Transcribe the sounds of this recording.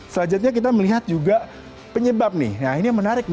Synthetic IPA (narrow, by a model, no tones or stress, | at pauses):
səlad͡ʒat̪̚ɲak̬it̪̬aməliɦat̪̚d͡ʒuɡa | pəɲəbap̚nḭhjainimənaɾɪk̚